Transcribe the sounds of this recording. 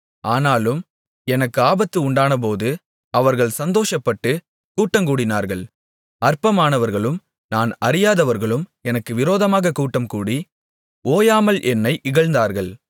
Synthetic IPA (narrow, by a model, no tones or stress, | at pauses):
aːnaːlɯm | ɛnɐkːɯaːbɐt̪ːɯʊɳɖaːnɐp̬oːðɯ | ɐʋɐɾɣɐɭsɐnd̪oːʂɐpːɐʈːɯ | kuːʈːɐmkuːɽɪnaːɾɣɐɭ | ɐrpɐmaːnɐʋɐɾɣɐɭɯm | naːnɐɾɪjaːðɐʋɐɾɣɐɭɯmɛnɐkːɯʋɪɾoːðɐmaːɣɐkuːʈːɐmkuːɽi | oːjaːmɐlʔɛnːɐɪʔɪɣɐɭnd̪aːɾɣɐɭ